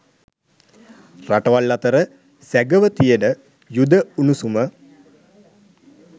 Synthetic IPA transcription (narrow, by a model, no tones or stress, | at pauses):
raʈəʋalːat̪əɾə | sæɡəʋət̪ijəɖə | jud̪əunusumə